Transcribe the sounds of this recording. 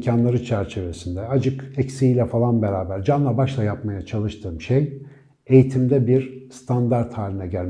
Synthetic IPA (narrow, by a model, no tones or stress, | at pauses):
cʰanlˠaɾɯt͡ʃʰæɾt͡ʃʰe̞vesind̪ɛad͡ʒɯkɛcsiilʲɛfalˠanbeɾaːbæɾd͡ʒanlˠabaʃlˠajapmajat͡ʃʰalˠɯʃt̪ʰɯːmʃej | e̞jit̪ʰimd̪ɛbiɾst̪ʰand̪aɾt̪haːlʲinɛɟælʲ